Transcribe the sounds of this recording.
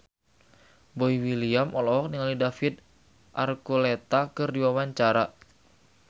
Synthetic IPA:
boiwiliamɔlɔɔk̚niŋaldidafit̪̚ | ʔarkulɛt̪akɨrdiwawaɲt͡ʃaɾa

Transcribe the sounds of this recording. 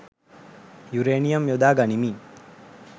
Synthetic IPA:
juɾeːnijɐmjod̪aːɡɐnimin

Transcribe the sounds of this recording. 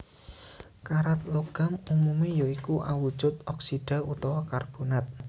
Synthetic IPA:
kaɾat̪̚loɡ̥a̤mumumijoikuʔawud̥ʒ̥ʊt̪ɔksiɖ̥a̤ut̪ɔwɔkarb̥onat̪̚

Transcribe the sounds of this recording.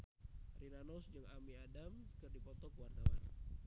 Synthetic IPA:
rinanɔsd͡ʒəŋamiadamkɨrdipɔt̪ɔkuwardawa̰n

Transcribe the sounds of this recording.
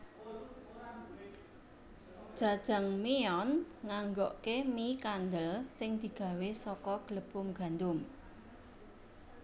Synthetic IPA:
d̥ʒ̥a̤d̥ʒ̥a̤ŋmeɔnŋaŋɡɔʔkemikand̪əlsɪŋd̪̥i̤ɡ̥ä̤wesɔkɔɡ̥ələb̥ʊmɡ̥a̤nd̪ʊm

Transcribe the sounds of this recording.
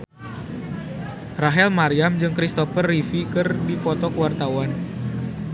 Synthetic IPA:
raɦɛlmaɾiamd͡ʒɨŋkɾist̪ɔfərːifikɨrdifɔt̪ɔkuwart̪awan

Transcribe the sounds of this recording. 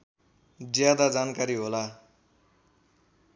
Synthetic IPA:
d͡zjad̪ad͡zankaɾiɦola

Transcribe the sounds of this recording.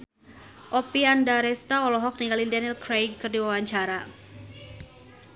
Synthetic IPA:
ʔɔpiandaɾɛst̪aɔlɔɦɔk̚niŋɡalindɛnilkɾejɡ̚kɨrdiwawaɲt͡ʃaɾa

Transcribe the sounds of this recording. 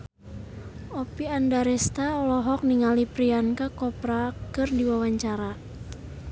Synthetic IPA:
ɔpiandaɾɛst̪aɔlɔɦɔk̚niŋalipɾiankakɔpɾakɨrdiwawaɲt͡ʃaɾa

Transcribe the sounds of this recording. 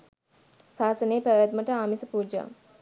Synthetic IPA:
saːsəneːpæʋæt̪məʈəamisəpuːd͡ʒa̰ŋ

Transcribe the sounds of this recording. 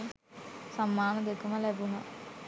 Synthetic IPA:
samːaːnəd̪ekəməlɛbunɐ

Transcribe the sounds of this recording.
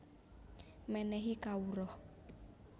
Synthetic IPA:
mɛnɛɦikauɾɔ

